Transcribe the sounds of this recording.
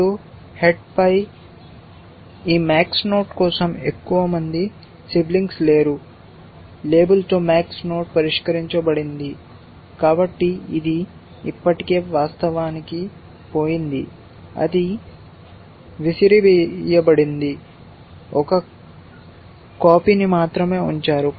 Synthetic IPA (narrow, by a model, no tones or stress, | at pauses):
oː | heʈ̚pɐj | iːmaːksno̞ːʈkɔːsɐmekːuʋɐmɐnd̪i | sibliŋɡsle̞ːɾu | le̞ːbɐlt̪o̞ːmaːksno̞ːʈ̚pɐɾiʂkɐɾiɲt͡ʃɐbɐɽind̪i | kaːbɐʈːiid̪iː | pːɐʈike̞ːʋaːst̪ɐʋaːniki | po̞ːjind̪i | ɐ̰d̪i | ʋisiɾibjɐbɐɽind̪i | ɔkɐ | kaːpinimaːt̪ɾɐme̞ːuɲt͡ʃaːɾu